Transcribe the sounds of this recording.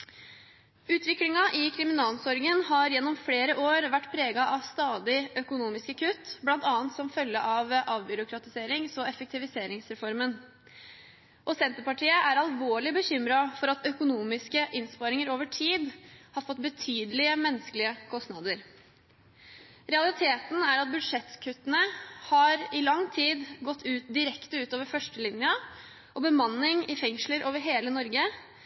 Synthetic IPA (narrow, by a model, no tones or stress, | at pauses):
ʉːt̪ʰʋɪklɪŋɑʔɪkʰɾɪmɪnɑːlsɔɾɡənhɑɾjɛnːɔmfleːɾəʔoːɾʋæʈːpʰɾeːɡɑʔɑʋst̪ɑːd̪ɪœkʊnuːmɪskəkʰʉt̪ːblɑnt̪ɑːnt̪sɔmfœlːəʔɑʋʔɑːʋbʏɾʊkʰɾɑt̪ɪseːɾɪŋsɔɛfək̚t̪ʰɪʋɪseːɾɪŋsɾɛfɔɾmən | ʔɔsɛnt̪əɾpɑʈʰiːəʔæɾɑlʋoːɭɪbəçʏmɾɑfɔɾɑt̪œkʊnuːmɪskəʔɪnspɑɾɪŋəɾoːʋəʈʰiːd̪hɑɾfɔt̪ːbət̪ʰyːd̪əlɪəmɛnːəskəlɪəkʰɔst̪nɑd̪əɾ | ɾɛɑlˠɪt̪ʰeːt̪n̩æɾɑt̪̚bʉd̪ʂɛt̪kʰʉt̪ːənəhɑɾɪlɑŋːt̪ʰiːd̪ɡɔt̪ʰːʉːt̪̚d̪ɪɾɛkt̪əʉːt̪oːʋəɾfœʂʈəlɪnjə | ʔɔbəmɑnːɪŋɪfɛŋʂləɾʔoːʋəɾɦeːlənɔɾɡə